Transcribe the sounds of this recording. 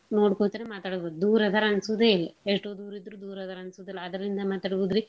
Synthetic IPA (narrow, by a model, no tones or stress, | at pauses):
no̞ːɽkoɳt̪ɐɾemaːt̪aːɽbod̪ud̪uːɾɐd̪ʱɐɾɐnsud̪eːleʂʈːoːd̪uːɾid̪ɾuːd̪uːɾɐd̪ɐɾɐɐnsud̪ɐlːɐɐd̪ɾɐlind̪ɐmaːt̪aːɽbuːd̪ɾi